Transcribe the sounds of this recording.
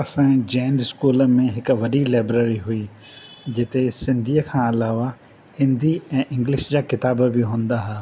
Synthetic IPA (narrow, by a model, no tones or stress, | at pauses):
ɐsãd͡ʑãːnd̪ɪskuːləmẽɦɪkʋɐɗilaːbɾəːɾiɦʊi | d͡ʑɪt̪esɪ̃nd̪ʱiːəkʰãːɐlaːʋa | hɪ̃nd̪ʱiɛ̃ːʔɪ̃ŋɡlɪʃd͡ʑaːkɪt̪aːbbɪɦũːn̆d̪aɦaː